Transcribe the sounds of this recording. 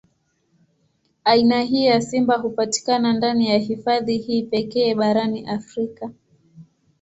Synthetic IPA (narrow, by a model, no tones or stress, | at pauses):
ainaɦiːjasimbaɦupati̥kanandanijaɦifaðihiːpɛkɛːɓaɾaniʔafɾika